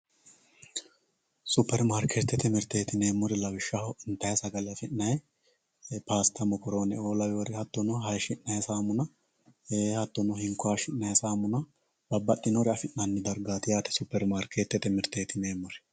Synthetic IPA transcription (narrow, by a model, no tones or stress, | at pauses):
sʊpːɛɾmaːɾkʰe̞ːt̪ːɛt̪ːɛmɪɾt̪eːt̪ɪne̞ːmːɔɾɛlɐwɪʃːɐhɪnt̪ɐjɐsɐɡɐlɪɐfɪnnɐjɛ | paːst̪ʰɐmɔkɔɾoːnɛoːlɐjoːɾɪhɐt̪ːɔnɔɦɐjʃɪnːɐjsaːmʊnɐ | eːhɐt̪ːɔnɔhɪŋkʊaːʃɪʔnːɐjsaːmʊnɐ | bɐbːɐɗːɪnɔɾɪɐfɪnːɐnːɪd̪ɐɾɡaːt̪ɪjaːt̪ɛ̥sʊpːɛɾmaːɾkeːt̪ːɛt̪ɛmɪɾt̪eːt̪ɪne̞ːmːɔɾɛ̥